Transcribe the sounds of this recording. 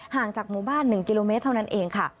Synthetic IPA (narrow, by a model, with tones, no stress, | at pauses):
haː˨˩ŋt͡ɕaː˨˩k̚muː˧˩baː˥˩nːɯ˨˩ŋki˧loː˧me˦˥t̪ʰːa˥˩˧na˦˥nʔeː˧ŋkʰa˥˩